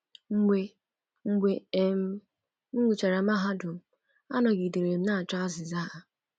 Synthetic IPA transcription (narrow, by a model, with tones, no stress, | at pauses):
ŋ͡m̩˦ɡ͡bʷe˦ | ŋ͡m̩˦ɡ͡bʷe˦e˦m̩˦ | ŋʷu˨t͡ʃa˨ɾa˨m˦a˦ɦa˦dʊ˨m̩˨ | a˦nɔ˨ɡi˨de˨ɾe˨m̩˦na˦a˨t͡ʃa˦a˦zɪ˨za˦˨ʔa˨